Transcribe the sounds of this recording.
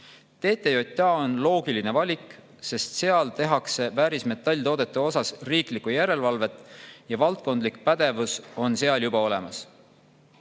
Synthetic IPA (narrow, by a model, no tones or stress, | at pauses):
t̪e̞ːt̪ːˑejo̞t̪ʲːˑɑːo̞nlo̞ːɡ̥iline̞vɑlʲik | se̞st̪se̞ɑlt̪e̞ɦɑkse̞væːɾisme̞t̪ːˑɑlʲːt̪o̞ːd̪̥e̞t̪ːˑeo̞sɑsriːklikːˑujæɾe̞lvɑlve̞t̪ːˑjɑvɑlt̪̚ko̞nd̪likpæd̪e̞vuso̞nse̞ɑljubɑo̞le̞mɑs